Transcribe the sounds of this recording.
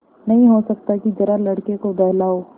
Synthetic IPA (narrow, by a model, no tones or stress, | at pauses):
nɐɦĩɦosɐk̚t̪akid͡ʒɐɾalɐɽkekobɛɦlaːo